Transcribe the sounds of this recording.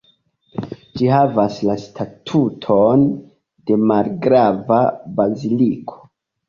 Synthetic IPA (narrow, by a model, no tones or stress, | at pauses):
d͡ʒiɦavaslastʰatʰutʰon | de̞malɡɾavabazilikʰo̞̥